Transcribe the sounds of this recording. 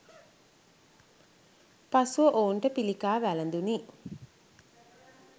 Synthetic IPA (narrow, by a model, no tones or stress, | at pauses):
pasuʋəʔoːɳʈəpilikaːʋælɐnd̪uni